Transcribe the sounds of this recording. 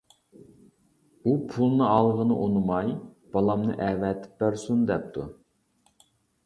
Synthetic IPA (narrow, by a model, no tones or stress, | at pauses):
upʰulˠnɨɑlˠʁənɨʔonɨmɑjb̥ɑlˠɑmnɨ̰ʔɛvɛt̪ʰɪ̥p̚bæɾsund̪ɛp̚t̪ʰu